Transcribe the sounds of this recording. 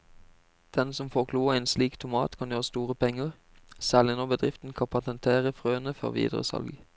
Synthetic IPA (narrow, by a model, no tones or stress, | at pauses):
d̪̥ɛnsɔmfoːʁkʰluːəæɪːnsliːkt̪ʰʊmɑ̰ːt̪kʰɑnjøːʁəst̪uːʁəpʰɛŋːəʁ | sæːʁlɪnoːbəd̪ʁɪft̪n̩kʰɑpʰɑt̪ɛnt̪ʰeːʁəfʁøːənəfɔ̰ʁʋḭːd̪ʁə̰sɑ̰lɡ